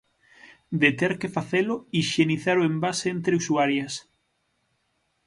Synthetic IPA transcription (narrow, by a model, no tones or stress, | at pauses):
d̪et̪eɾkefaθelʊiʃeniθaɾoembasent̪ɾeusuaɾjɐs